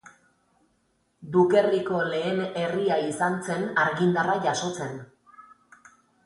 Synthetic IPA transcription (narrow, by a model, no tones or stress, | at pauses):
d̪uke̞riko̞le̞ːne̞riaisant͡se̞naɾɣind̪araʝaso̞t͡se̞n